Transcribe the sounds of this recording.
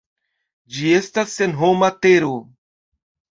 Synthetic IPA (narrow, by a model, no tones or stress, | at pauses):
d͡ʒie̞stasːenɦomateɾo